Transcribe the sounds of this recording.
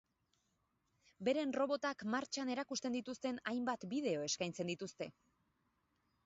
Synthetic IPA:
be̞ɾe̞nro̞βo̞t̪akmaɾt͡ʃane̞ɾakust̪e̞nd̪it̪ust̪e̞najmbat̪biðe̞o̞e̞skajnt͡se̞nd̪it̪ust̪e̞

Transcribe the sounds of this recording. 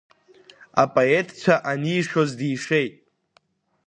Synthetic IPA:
a̰pʼoetʰʼt͡ʃʷʰaʔaniːʂozdiːʂe̞jtʼ

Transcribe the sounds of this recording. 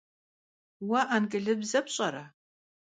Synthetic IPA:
wɐʔankʼɨɮɨbzɐpɕʼɐɾɐ

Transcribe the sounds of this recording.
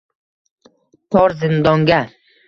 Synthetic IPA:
t̪ʰɒɾzɪnd̪ɒŋɡʲa

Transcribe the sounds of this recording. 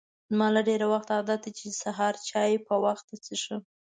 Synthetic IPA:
zmɑlaɖeɾawaxt̪ɑd̪at̪at͡ʃesaɦɑɾt͡ʃɑjpəwaxt̪at͡səʃə

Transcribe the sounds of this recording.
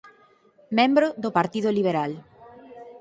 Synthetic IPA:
mẽmbɾʊðʊpaɾt̪iðʊliβ̞eɾal

